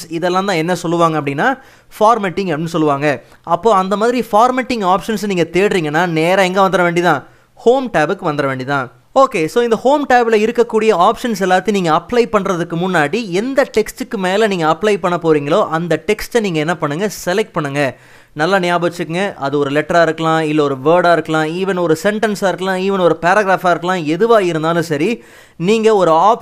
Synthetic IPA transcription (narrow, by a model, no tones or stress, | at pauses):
sɪðɛlːãːt̪ãːɛnːɐsɔlːɯʋaːŋɡɐp̬ːɐɽɪnːaː | faːɾmeːʈːɪŋɡɛnɯsɔlːɯʋaːŋɡɐ | ɐpːoːɐnd̪ɐmaːðɪɾifaːɾmeːʈːɪŋɡaːpʂɐnsniːŋɡɐt̪eːɽɾiːŋɡɐnːaːneːɾɐɛŋɡɐʋɐnd̪ɯɾɐʋeːɳɖit̪ãː | hoːmʈaːbɯkːɯʋɐnd̪ɯɾɐʋeːɳɖit̪ãː | oːkeːsoːɪnd̪ɐhoːmʈaːbɪlɐɪɾɯkːɐkːuːɽɪjɐaːpʂɐnsɛlːaːt̪ːɯniːŋɡɐɐpːlɐɪpɐɳɾɐðɯkːɯmʊnːaːɽiɛnd̪ɐʈɛksʈɯkːɯmeːlɐniːŋɡɐɐpːlɐɪpɐɳːɐpoːɾiːŋɡɐɭoːʔɐnd̪ɐʈɛksʈniːŋɡɐɛnːɐpɐɳːɯŋɡɐsɛlɛk̚ʈ̚pɐɳːɯŋɡɐ | nɐlːanɪjaːbɐt͡ʃːɯkːɯŋɡɐʔɐðɯɔɾɯlɛʈːɐɾaːɪɾɯkːɐlãːɪlːɐɔɾɯʋeːɾɽaːɪɾɯkːɐlãːiːʋɐnɔɾɯsɛɳʈɐnsaːɪɾɯkːɐlãːiːʋɐnɔɾɯpaːɾɐɡɾaːfaːɪɾɯkːɐlãːɛðɯʋaːɪɾɯnd̪aːlɯ̃sɐɾi | niːŋɡɐɔɾɯaːp